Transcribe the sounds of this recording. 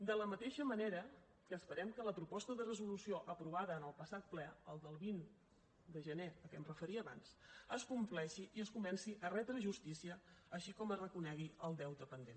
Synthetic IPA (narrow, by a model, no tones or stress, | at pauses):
d̪ələmət̪eʃəməneɾə | kəːspəɾɛmkələpɾupɔst̪əðərəzulusioʔəpɾuβ̞aðəːnəlˠpəsat̪̚plɛəlˠd̪əlˠβin | d̪əʒəneəkɛmrəfəɾiəːβa̰nsəskumplɛʃiʔiəskumɛnsiʔərɛt̪ɾəʒust̪isiəːʃikɔmərəkunɛɣiəlˠd̪ɛwt̪əpənd̪en